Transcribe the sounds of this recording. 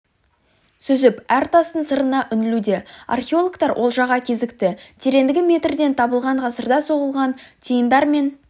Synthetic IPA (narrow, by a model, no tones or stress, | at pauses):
sʏzɪpæɾt̪ʰɑst̪ənsəɾənɑʔʏnɪlud̪e̞a̰rχʲeolˠokt̪ɑɾwʔo̞lˠʒɑʁɑkʲʰe̞zɪkt̪ɪt̪ʰe̞ɾe̞nd̪ɪɡʲɪme̞t̪ɾd̪e̞nt̪ʰɑbəlˠʁɑɴʁɑsəɾd̪ɑso̞ʁəlˠʁɑnt̪ʰijənd̪ɑɾme̞n